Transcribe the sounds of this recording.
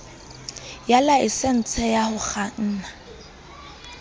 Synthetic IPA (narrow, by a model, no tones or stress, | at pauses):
jalaɪsɛn̩t͡sʰɛjahʊk͡xan̩ːna